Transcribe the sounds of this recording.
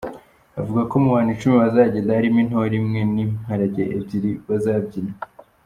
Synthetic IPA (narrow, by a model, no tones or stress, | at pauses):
avuɡakomuhaːnit͡ʃumiβazaːɟeːndaɾimin̥hoɾimŋennimhaɾaɟeʔebɟiɾiβazaːb̚ɟiɾa